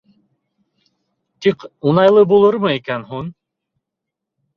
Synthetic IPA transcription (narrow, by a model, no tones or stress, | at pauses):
t̪iqunɑjlˠɤbulˠɤɾmɤikænɦun